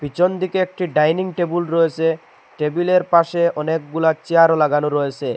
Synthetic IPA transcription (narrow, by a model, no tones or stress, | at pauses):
pit͡ɕond̪ikeek̚ʈiɖajniŋʈebulɾɔet͡ɕʰe | ʈebileɾpaʃeʔɔnek̚ɡulat͡ɕiaɾolaɡanoɾɔjet͡ɕʰe